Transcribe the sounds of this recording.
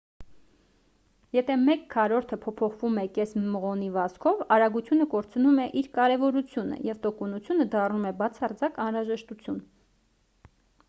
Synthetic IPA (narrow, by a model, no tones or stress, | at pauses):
jɛt̪ʰɛmɛkːʰɑɾɔɾt̪ʰəpʰɔpʰɔχvumɛkɛsməʁɔnivɑskʰɔvɑɾɑɡut͡sʰjunəkɔɾt͡sʰnumɛʔiɾkɑɾɛvɔɾut͡sʰjunə̰jɛvt̪ɔkɔnut͡sʰjunəd̪ɑrnumɛbɑt͡sʰɑrd͡zɑkɑnɾɑʒɛʃt̪ut͡sʰjun